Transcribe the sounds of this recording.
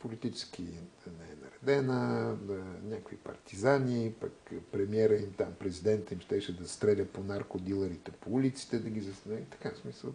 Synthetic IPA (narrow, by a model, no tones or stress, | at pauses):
polʲit̪it͡ʃɛ̥sk̟ʰʲinɛɛnɐ̰ɾɛd̪ɛnə | nʲakoipɐ̰ɾt̪izaniːpɐkpɾɛmiɛɾəimt̪ampɾɛzid̪ɛnt̪əimʃt̪ɛʃɛd̪ɐst̪ɾɛlʲəponaɾkod̪ilˠəɾit̪ɛpoulit̪si̥t̪ɛd̪ɐɡʲizɐst̪niit̪ɐ̥kasmisəlˠ